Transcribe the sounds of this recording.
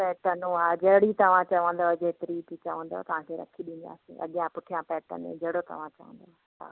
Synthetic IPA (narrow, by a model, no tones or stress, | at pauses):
pɛːʈənũaːd͡ʑɐɦɪɽit̪ɐʋ̤ãt͡ɕɐʋə̃nd̪od͡ʑet̪ɪɾit̪it͡ɕɐʋə̃nd̪o̰t̪ɐʋ̤ãːkʰeːɾɐ̰kʰiɗĩːnd̪a̰ːsḭ̃ʔɐ̰ɠjãpʊʈʰijãpɛːʈə̰nḛ̃d͡ʑɐɦɽot̪ɐ̰ʋ̤ãt͡ɕɐʋə̰̃n̆d̪o | a̰ː